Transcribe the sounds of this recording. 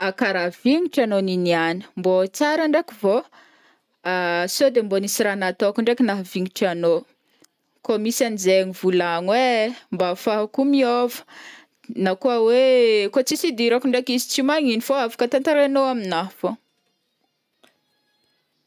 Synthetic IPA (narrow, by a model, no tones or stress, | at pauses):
akaɾaviŋiʈ͡ʂanoninianə̥mbot͡saɾaɳɖ͡ʐakivo | asod̪embonisiɾanat̪oakuɳɖ͡ʐekʲinaɦviŋiʈ͡ʂano | komisanizeɲivulaŋwembafaɦakumiovə̥ | nakuəwekot͡sisid̪iɾakuɳɖ͡ʐekizi̥t͡simaŋinifoafḁkət̪ant̪aɾenoaminaɦfo